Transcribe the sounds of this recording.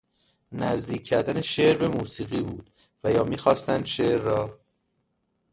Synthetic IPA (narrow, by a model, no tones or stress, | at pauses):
næzd̪iːcʰːæɾd̪æneʃeʔɾbe̞muːsiːɣiːbuːd̪̥ | væjɒːmiːxɒːst̪ænd̪ʃeɾːɒː